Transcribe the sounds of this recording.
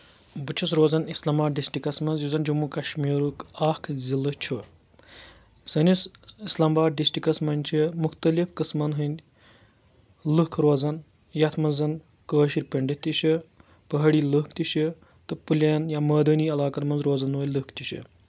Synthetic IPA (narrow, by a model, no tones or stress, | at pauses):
bɨt͡ʃʰus̬ɾoːzɐnislɐmbaːɖisʈikɐsmɐnzjuzɐnd͡ʒumukɐʃmiːɾukaːkʰzʲilɨt͡ʃʰu | sɐnʲisislɐmbaːɖ̚ɖisʈikɐsmɐnʲt͡ʃʰimuxt̪ɐlifkɨsmɐnɦɨnʲ | lɨkʰɾoːzɐn | jɐt̪ʰmɐnzɐn | kəːʃiɾʲpɐɳɖit̪it͡ʃʰi | pɐɦɐɽiːlɨkʰt̪it͡ʃʰi | t̪ɨpɨlʲɐnjamɐːd̪ɐniːɐlaːkɐt̪mɐnzɾoːzɐnoːjʲlɨkʰt̪ʲit͡ʃʰɨ̰